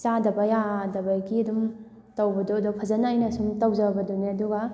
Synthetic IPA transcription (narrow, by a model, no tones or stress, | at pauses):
sadɐbajadɐbajɡiɐdum | tawbɐdɔɐdɔpʰɐzɐnajnɐsumtawzabɐduneɐduɡɐ